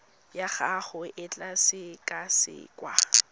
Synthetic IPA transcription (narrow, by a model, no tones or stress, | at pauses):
jaχaχʊʔɪt͡ɬʼasɪkʼasɪ̰ːkʼwa